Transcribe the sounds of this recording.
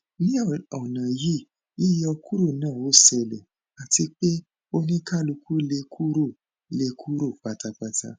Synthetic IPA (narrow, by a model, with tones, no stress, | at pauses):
nĩ˦˨ɔ˨nã˨ji˦˨ | i˦jɔ˧ku˦ɾo˦˨nãː˦˨o˨˦sɛ˧lɛ˨ | a˨ti˧k͡pe˦ | o˧nĩ˦ka˦˨lu˧kʰu˦le˧kʰu˦ɾo˦˨ | le˧kʰu˦ɾo˦˨k͡pa˧ta˧k͡pa˧ta̰˧